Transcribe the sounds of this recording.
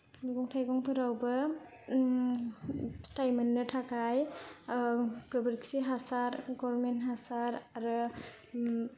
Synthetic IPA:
miɡɔŋtʰajɡɔŋpʰɯɾawbɯ | stajmenːɯtʰakʰaj | kɯbəɾksiɦasaɾɡɔɾɾmentɦasaɾaɾɯ

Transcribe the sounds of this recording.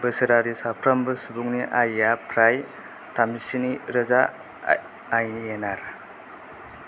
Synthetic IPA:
bɯsɯɾaɾisapʰɾambɯsubuŋniʔajapʰɾaj | tamisiniɾɐzaː | jnienaɾ

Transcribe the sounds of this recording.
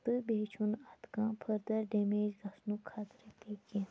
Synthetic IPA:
t̪ɨbeːt͡ʃʰunɐt̪kãːpʰəɾd̪ɐɾɖemeːd͡ʒɡɐsnukʰːaːt̪ɾipeːkẽ

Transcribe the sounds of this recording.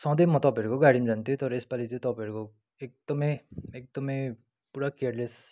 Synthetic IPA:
sʌ̃d̪ʌjmʌt̪ʌpeɾukoɡaɽimd͡zant̪ʰĩt̪ʌɾʌespalit͡sʌĩt̪ʌpeɾuko | ek̚d̪̥ʌmʌjek̚d̪ʌmʌj | puɾakejaɾles

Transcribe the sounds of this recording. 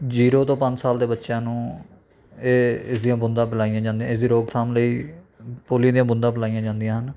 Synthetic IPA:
d͡ʒiːɾoːt̪õːpəɲd͡ʒsaːld̪eːbətːʃjãːnũː | eːɪsd̪ijãːbʊnd̪ãːplaːijãːd͡ʒãːnd̪ijãːɪsd̪iːɾoːɡt̪ʰaːmləiːpoːlɪjãːd̪ijãːbʊnd̪ãːpʰɪlaːijãːd͡ʒãːnd̪ijãːɦən

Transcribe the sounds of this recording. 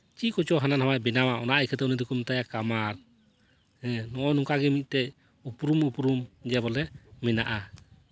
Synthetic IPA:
t͡ʃikɔt͡ʃɔɦananhamajbɛnamaɔnaʔikʰɛt̪ɛunid̪ukumt̪ajakamaɾ | hɛ̃nɔʔɔnuŋkaɡɛmic̪̚ˀt̪ɛ | upɾumupɾumd͡ʒɛbɔlɛmɛnaʔa

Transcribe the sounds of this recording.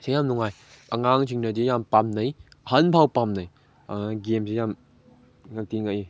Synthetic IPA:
sejamnuŋaj | ʔɐŋaŋsʰiŋnɐdijampamnɐjhɐnpʰawpamnɐj | ɡemsejam | ŋak̚tiŋai

